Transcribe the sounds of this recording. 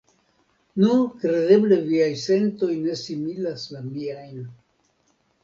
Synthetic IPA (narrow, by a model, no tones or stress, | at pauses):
nukɾe̞de̞ble̞viajse̞nto̞jne̞similaslamiajn